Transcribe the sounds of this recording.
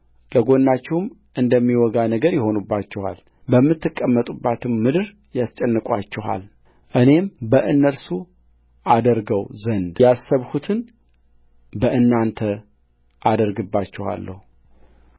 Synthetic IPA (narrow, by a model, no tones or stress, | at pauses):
ləɡo̞nːat͡ʃːɛhm | ʔɨnd̪əmːiwɔɡanəɡəɾjɛho̞nubːat͡ʃːɛha̰l | bəmːɨt̪ːɨkʼːəmːət̪ʼubːat̪ʰɨmmɨd̪ɨɾ | jast͡ʃʼɛnːɨkʷʼat͡ʃːɛha̰l | ʔɨne̞mbəʔɨnːəɾsu | ʔad̪əɾɡəwzənd̪jasːəβhut̪ʰɨn | bəʔɨnːant̪ʰə | ʔad̪əɾɡɨbːat͡ʃːɛha̰lːə̰hu